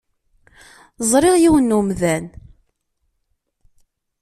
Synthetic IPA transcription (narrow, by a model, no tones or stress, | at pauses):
zˤɾˤɪʁjiwənːumðæn